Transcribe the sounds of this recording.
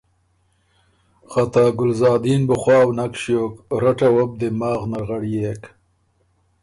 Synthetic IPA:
χat̪aɡʊlzɑːd̪iːnbʊχwɑːwnakʃjoːkɾaʈawab̚d̪emɑːɣnaɾʁaɽijeːk

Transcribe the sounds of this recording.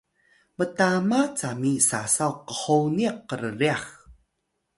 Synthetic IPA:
mətamat͡samisasawqəħowniaqːəɾəriax

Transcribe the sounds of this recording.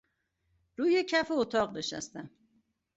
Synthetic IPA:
ɾuːjecʰæfeot̪ʰɒːɣneʃæ̰st̪æm

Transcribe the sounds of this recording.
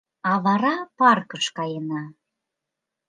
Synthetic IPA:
ɑβɑɾɑpɑrkəʃkɑjənɑ

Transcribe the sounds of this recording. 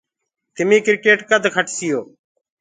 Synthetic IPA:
t̪ɪmĩːkɪɾkeːʈkəd̪ʱkʰəʈʰsɪjoː

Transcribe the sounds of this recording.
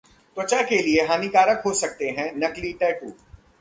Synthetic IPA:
t̪wɐt͡ʃakelieɦaːnikaːɾəkɦosɐk̚t̪eɦɛ̃nɐkliʈɛːkuː

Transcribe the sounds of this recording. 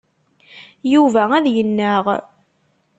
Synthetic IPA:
juvææðjənːəʁ

